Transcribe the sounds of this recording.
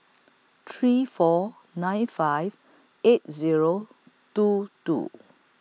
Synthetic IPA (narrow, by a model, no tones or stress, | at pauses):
tʰɹifɔ | nãjnfajv | et̚ziɹo | tutṵ